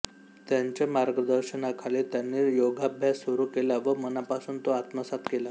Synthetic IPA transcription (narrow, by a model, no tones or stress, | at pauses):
t̪jaɲt͡ɕamaɾɡəd̪əɾɕənakʰalet̪janːejoɡabʱjasəɾuːkelaʋəmənapasuːnt̪oat̪məsat̪kela